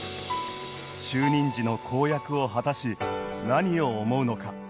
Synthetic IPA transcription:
ɕɨːɲ̟ĩɲd͡ʑino̞kʰo̞ːjakɯ̟o̞ɦat̪aɕinaɲ̟io̞ːmo̞ɯ̟no̞ka

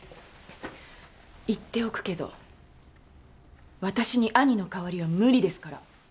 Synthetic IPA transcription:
it̪ːe̞o̞kɯ̟̥ke̞d̪o̞̰ | βat̪aɕiɲ̟iʔaɲ̟ino̞kaβaɾʲiβamɯ̟ɾʲid̪e̞sɨ̥kaɾa̰

